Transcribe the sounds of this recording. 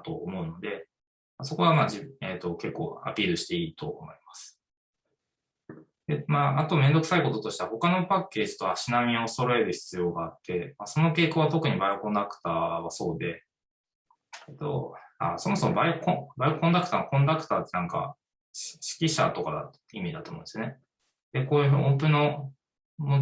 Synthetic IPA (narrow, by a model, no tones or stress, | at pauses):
t̪o̞ːmo̞ɯ̟no̞d̪e̞ | maso̞ko̞βamaːd͡ʑieːt̪o̞ke̞kːo̞̰ːa̰pʲiːɾɯ̟ɕi̥t̪e̞iːt̪o̞̰ːmo̞imasɨ̥ | d̪̥emaːat̪o̞mẽ̞nd̪o̞kɯ̟saiko̞t̪o̞t̪o̞ɕi̥t̪eaho̞kano̞pakːe̞ːʑi̥t̪o̞aɕinamʲiso̞ɾo̞e̞ɾɯ̟çi̥t͡sɨjo̞ːɡaːt̪ːe̞maso̞no̞ke̞ːko̞ːβat̪o̞kɯ̟ɲ̟ibaiokõ̞nd̪akɯ̟̥t̪aːβ̞aso̞̰ːd̪e̞ | t̪o̰a̰so̞mo̞so̞mo̞baikõbaikõ̞nd̪akɯ̟t̪aːnokõ̞nd̪akɯ̥t̪aːt̪ːenãŋka̰ | ɕi̥kʲiɕa̰t̪o̞kad̪a̰ | imʲid̪at̪oːmõnesone | d̪̥e̞koːɯhõnt̪oɲino | mo